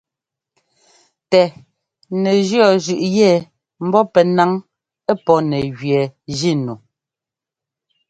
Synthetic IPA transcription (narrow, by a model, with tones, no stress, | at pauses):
tɛ˨ | nɛ˨d͡ʒɰɔ˦˨d͡ʒʉ˨ʔjɛ˦˨ | m̩˦bɔ˦pɛ˨na˨˦ŋ | ɛ˦pɔ˦nɛ˨ɣɥɛ˨d͡ʒi˦˨nu˨